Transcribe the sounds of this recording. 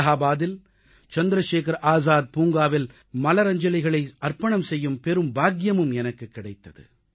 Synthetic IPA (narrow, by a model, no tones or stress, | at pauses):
ɦaːbaːðɪl | t͡ʃɐnd̪ɪɾɐʃeːkɐɾʔaːzaːd̪̚puːŋɡaːʋɪl | mɐlɐɾɐɲd͡ʒɐlɪɣɐɭɐɪɐrpɐɳɐmsɛjːɯmpɛɾɯmbaːɡjɐmɯmɛnɐkːɯkːɪɽɐɪt̪ːɐðɯ̰